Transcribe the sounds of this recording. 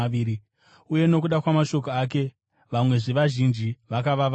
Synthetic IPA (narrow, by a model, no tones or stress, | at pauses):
iːɾi | uje̞no̞k̬uɗakwamaʃo̞k̬oak̬e̞ | ʋamwe̞ʐeʋaʒind͡ʒiʋakaʋaʋ